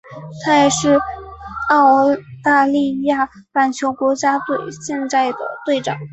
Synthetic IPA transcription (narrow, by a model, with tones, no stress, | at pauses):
t̪ʰa˥jɛ˨˩ʂɻ̩˥˧ | ɑ˥˧ʊt̪a˥˧li˥˧ja˥˩ | pa˨˩nt͡ɕʰjo˧˥ʊkwɔ˧˥t͡ɕja˥t̪we˥˧ɪɕjɛ˥˧nt̪a˥˩ɪd̪ə̰˩t̪we˥˩ɪʈ͡ʂɑ̰˨˩˦ŋ